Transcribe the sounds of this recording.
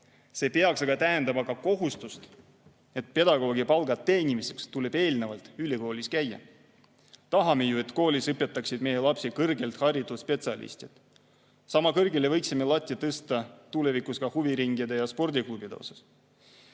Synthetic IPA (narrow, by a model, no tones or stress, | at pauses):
se̞ːpe̞ɑksɑɡ̥ɑt̪æɦe̞nd̪ɑmɑɡɑko̞ɦust̪ust̪ | e̞t̪̚pe̞d̪ɑɡ̥o̞ːɡ̥ipɑlɡɑt̪ːe̞ːnʲimise̞kst̪ule̞b̥e̞ːlne̞vɑlt̪ˑyliko̞ːlʲiskæjːɑ̰ | t̪ɑɦɑmejue̞t̪ko̞ːlisɤpːet̪ːˑɑksid̪̚me̞jelɑpsikɤrɡe̞lt̪hɑɾid̪uspe̞t̪siɑlḭst̪it̪ | sɑmɑkɤrɡele̞vɤjksimelɑt̪ʲːˑjɑt̪ɤst̪ɑt̪ule̞vikuskɑhuviɾiŋɡ̥id̪e̞jɑspo̞rd̪iklubid̪̥eo̰sɑs